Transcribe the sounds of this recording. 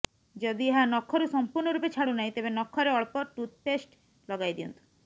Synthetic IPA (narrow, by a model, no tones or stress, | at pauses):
d͡ʒɔd̪ieɦanɔkʰːɔɾusɔmpuɾnɔɾupet͡ʃʰaɽunaɦĩt̪ebenɔkʰːɔɾeɔɭpɔʈut̪̚pesʈ | lɔɡajd̪ijɔnt̪u̥